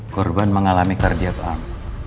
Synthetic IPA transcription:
kɔrbanməŋalamikardiak̪an

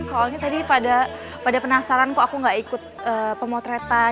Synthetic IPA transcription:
soalɲat̪adipada | padapənasaɾankuakuŋɡaʔikʊt̪̚əːpəmot̪ɾet̪a

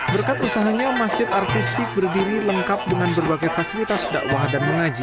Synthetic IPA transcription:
bərkat̪usaɦaɲamasd͡ʒɪt̪art̪ist̪ɪk̚bərdiɾiləŋkap̚dəŋanbərbaɡajfasilit̪asda̰ʔwahdanməŋad͡ʒi

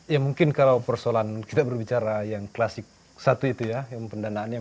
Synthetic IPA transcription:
jamuŋkɪnkalawpərsolankit̪abərbit͡ʃaɾajaŋklasɪk̚ | sat̪uit̪ujajaŋpəndanaːnja

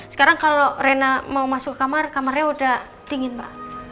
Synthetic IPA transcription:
sə̥kaɾaŋkalorenamaumasʊkːəkamarkamarɲaudah | t̪iŋɪnpa̰

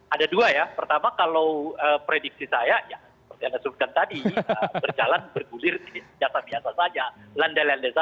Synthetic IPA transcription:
adaduajapərt̪amakalawəːpɾedik̚sisajajasəpərt̪ihandasəbut̪̚kant̪adiəbərd͡ʒalanbərɡulɪridibiasabiasasad͡ʒalandalandeza

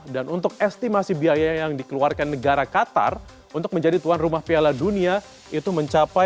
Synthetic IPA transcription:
danunt̪ʊk̚ɛst̪imasibiajaajaŋdikəluarkanːəɡaɾakat̪a̰r | unt̪ʊk̚məɲd͡ʒadit̪uanrumahpialadunia | it̪uməɲt͡ʃapa

